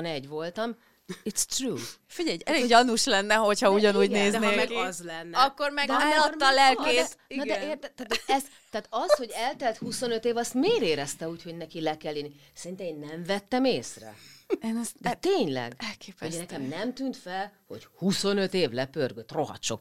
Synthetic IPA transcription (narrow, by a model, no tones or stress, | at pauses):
nɛɟʋo̞lt̪ɒm | it̪st̪ruːfiɟɛjɛleɒnuʃlɛnːɛɦo̞chɒuɟɒnuːɟneːzɛnːmɛɡzlɛnːɒkːormɛɡd̪ɛlɒɒlɛlk̪eːt̪inɔdɛeːrt̪ɛt̪ːat̪ɛs | t̪aːt̪ɒsho̞ɟɛlt̪ɛlt̪huso̞nøt̪eːvɒst̪meːɾeːɾɛst̪ɛuːcho̞ɟnɛkilɛkɛlːiːnisɛrint̪ɛmeːnːɛɱvɛt̪ːɛmeːsrɛ̰nzd̪ɛt̪eːɲlɛ̰ɡɛlkeːpunɛkɛmnɛmt̪yːnt̪fɛlho̞̰ɟhuso̞nøt̪eːvlɛpørɡøt̪ro̞ɦɒ̰t̪ʃo̰k